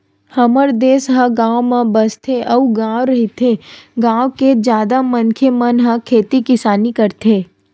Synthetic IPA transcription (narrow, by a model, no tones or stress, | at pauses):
hɐməɾd̪eːsɦə̃ɡãːwmãbəst̪ʰeʔɐuɡãːʋɾɐɦit̪ʰeɡãːwked͡ʒjaːd̪amənkʰemənɦãkʰeːt̪ikɪsaːnikəɾt̪ʰeː